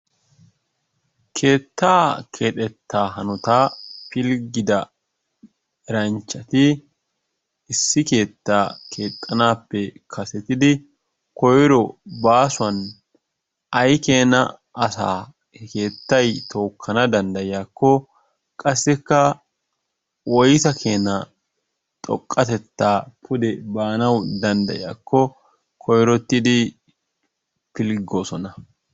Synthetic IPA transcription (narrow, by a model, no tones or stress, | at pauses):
kʰe̞ːt̪ːaːkʰe̞ːt̪ʼɛt̪ːaːɦɐnʊt̪aːpɪlɡɪd̪ɐ | ɛɾɐnt͡ʃːɐt̪ɪ | sːɪke̞ːt̪ːaːkʰe̞ːt̪ʼːɐnaːpːɛkʰɐsɛt̪ɪd̪ɪ | kɔjɾɔbaːsʊɐn | ɐjkeːnɐ̰ː | sa̰ː | ke̞ːt̪ːɐjt̪ʰo̞ːkʰːɐnɐd̪ɐnd̪ɐjɪjaːkːɔ | kʼɐsːɪkːɐ | wɔjt̪ɐkʰe̞ːnɐ | t̪ʼɔ̰kʼːɐt̪ɛt̪ːaːpʰʊd̪ɛbaːnɐwd̪ɐnd̪ɐ̰jja̰ːkʰːɔ | kʰɔjɾɔt̪ːɪd̪ɪ | pɪlɡoːsɔnɐ